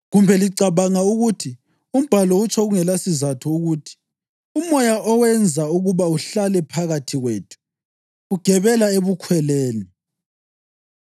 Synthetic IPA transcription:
ɣumbʱɛliǀaβaŋauɣutʰi | um̩b̥ʱalɔut͡ʃʼʰɔɣuŋɛlasizatʰɔuɣutʰi̥ | umɔjaʔɔwɛnd͡zʱauɣuβauɬalɛpʰaɣatʰiɣweːtʰu̥ | ɣuɡ̥ʱɛβɛlaeβukʰwɛleːni

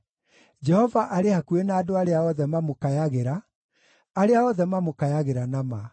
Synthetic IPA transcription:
d͡ʒɛhɔvaʔaɾehakuenaːdoaɾeaɔðɛmamokajaɣeɾaː | ɾeaɔðɛmamokajaɣeɾanama

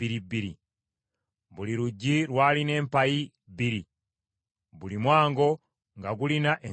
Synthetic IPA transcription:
iɾibiɾḭ | βuliɾuɟːiɾwaːline̞ːmpaji | biɾi | βulimwaːŋɡo̞ | ŋɡaɡulinaʔe

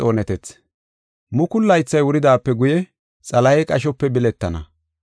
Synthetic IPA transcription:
o̞ːnɛt̪ɛt͡s | mʊkʊlːɐjt͡sːɐjwʊɾɪd̪aːpːɛɡʊjɛ | t͡sʼɐlɐjɛkʼɐʃ̬ɔpːɛbɪlɛt̪ːɐnɐ̰

